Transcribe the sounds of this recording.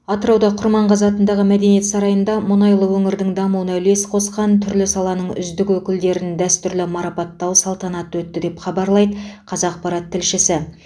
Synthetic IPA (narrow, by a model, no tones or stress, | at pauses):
ɑt̪əɾɑwd̪ɑqʰʊɾmɑɴqʰɑzɑt̪ənd̪ɑʁəmæd̪e̞nije̞t̪sɑɾɑjənd̪ɑmʊnɑjlˠəwɵŋɪɾd̪ɪŋd̪ɑmuwənɑle̞sqʰo̞sqɑnt̪ʰʏɾlɪsɑlˠɑnəɴʏ̰zd̪ɪkwɵkʲɪld̪e̞ɾɪnd̪æst̪ʏɾlɪmɑɾɑpɑt̪ːɑwsɑlˠt̪ɑnɑt̪wɵt̪ːɪd̪e̞pχɑbɑɾlˠɑjd̪əqʰɑzɑq̚pɑɾɑt̪ʰːɪlʃɪsɪ